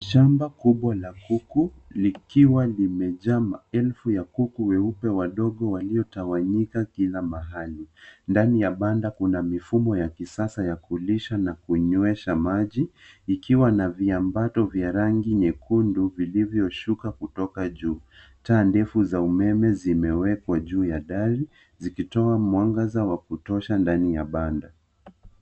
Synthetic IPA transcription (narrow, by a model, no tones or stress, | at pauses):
ʃambakuɓwalakuku | likiwalimɛʄamaɛlfujakukuwɛupɛwaɗɔɠɔwaliɔtawaɲikakilamaɦalindanijaɓandakunamifumɔjakisasajakuliʃanakuɲɔɛʃamaʄiːkiwanaviambatɔvjaɾaŋɡiɲɛkʰunduvilivjɔʃukakutɔkaʄuː | taːndɛfuzaumɛmɛzimɛwɛkwaʄuːjaɗaɾi | zikitɔamwaŋɡazawakutɔʃandanijaɓanda